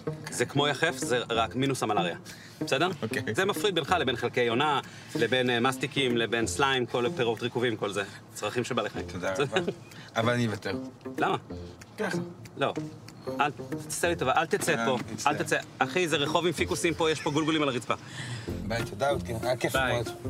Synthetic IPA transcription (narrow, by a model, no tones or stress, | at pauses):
zekmo̞jaχe̞fzeʁakminusamalaʁja | besedeʁokezemafʁid̪be̞nχalebe̞nχelkejajo̞na | lebe̞nmast̪ikimlebe̞nslaimko̞lpeʁot̪ʁikuvimko̞lze | t͡sʁaχimʃebaleχaimod̪asdeʁ | avalanivat̪eʁlama | kaaloalseʁit̪ovaʔalt̪et͡sepo̞alt̪at͡seaχizeʁeχo̞vimfikusimpo̞jeʃpo̞ɡulɡulimalaʁit͡sba | bajt̪od̪aot̪kekefbaj